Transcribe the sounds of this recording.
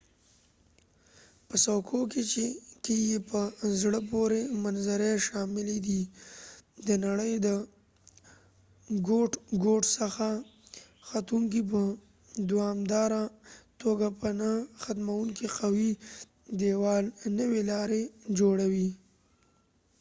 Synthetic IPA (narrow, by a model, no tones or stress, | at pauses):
pəsawkʰoket͡ʃekeɡepəzɽəpoɾemanzaɾeʃɑmɪled̪i | d̪ənaɽəjd̪ə | ɡoʈɡoʈsəxa | xat̪uŋk̬ip̬ə | d̪ʊwɑmd̪ɑɾat̪oɡapənaxat̪mawuŋkiqawi | d̪ewɑlnəwelɑɾed͡ʒoɽawi